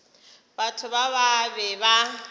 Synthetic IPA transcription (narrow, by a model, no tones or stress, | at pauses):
batʰʊbaβabɛba